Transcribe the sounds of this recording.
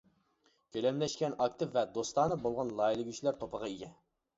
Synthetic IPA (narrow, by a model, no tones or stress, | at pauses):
kʲølɛmlɛʃkʲɛnɑk̚t̪ʰɪvvɛd̪ost̪ˠɑːnɨbolˠʁɑnlˠɑilˠɡʲyt͡ʃʰilæɾt̪ʰopəʁɑiɡʲɛ